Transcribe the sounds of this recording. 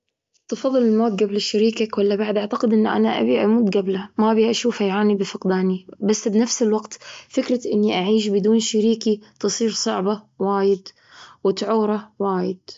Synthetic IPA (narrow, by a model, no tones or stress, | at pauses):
t̪ɨfɑðˤːɨlɪlmoːt̪̚ɡablɪʃaɾiːkakwalːabaʕd̪ʔaʕt̪aqɪd̪ʔɪnːʔa̰naʔa̰biʔamuːt̪ɡablamabiʔaʃuːfʔajʕaːnibɪfɪqd̪aːnibasːbɪnafsɪlwaɡt̪fɪkɾˤɑʔɪnːiʔaʕiːʃ̬bɪd̪uːnʃaɾiːkit̪ɨsˤiːɾsˤɑʕba | waːjɪd̪ | wɪt̪ʕuːɾˤɑwaːjɪd̪̥̚